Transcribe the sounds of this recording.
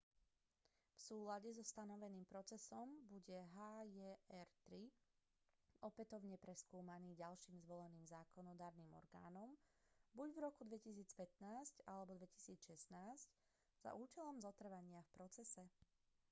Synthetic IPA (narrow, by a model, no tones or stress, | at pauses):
fsuːlaɟɛzɔst̪anɔʋɛniːmpɾɔt͡sɛsɔmbuɟɛɦaːjɛɛɾt̪ɾi | ɔpɛt̪ɔʊɲɛpɾɛskuːmaniːɟalʃiːmzʋɔlɛniːmzaːkɔnɔd̪aːɾniːmɔ̰ɾɡa̰ːnɔmbuɟvɾɔkud̪ʋɛcisiːt͡spɛt̪naːscalɛbɔd̪ʋɛci̥siːt͡sʃɛsnaːsc | z̥a̰ʔuːt͡ʃɛlɔmzɔt̪r̩ʋaɲɪafpɾɔt͡sɛsɛ